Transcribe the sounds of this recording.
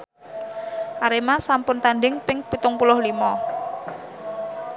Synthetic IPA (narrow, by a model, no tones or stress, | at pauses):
ʔaɾemasampʊnt̪andɪŋpɪŋpit̪ʊŋpulʊhlimɔ